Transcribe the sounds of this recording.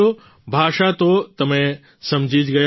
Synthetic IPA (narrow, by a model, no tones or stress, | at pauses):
o | bʱaːʃat̪ot̪ɐmẽ | sɐ̃md͡ʑʱid͡ʒɡɐj